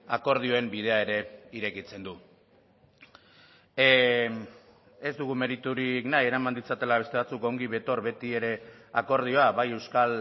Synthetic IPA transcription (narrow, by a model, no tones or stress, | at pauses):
ako̞ɾð̞io̞e̞mbið̞e̞ae̞ɾe̞iɾe̞kit͡se̞nd̪u | e̞zd̪uɣ̞ume̞ɾit̪uɾiknaje̞ɾamand̪it͡sat̪e̞laβe̞st̪e̞βat͡suko̞ŋɡiβe̞t̪o̞ɾβe̞t̪ie̞ɾe̞ | ako̞ɾð̞io̞aβaje̞wskal